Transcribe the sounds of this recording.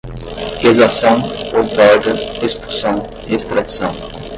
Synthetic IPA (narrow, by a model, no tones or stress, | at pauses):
kezasɐ̃w̃oɾt̪ɔɾɡɐespu̥sɐ̃w̃ | iest̪ɾad̪isɐ̃w̃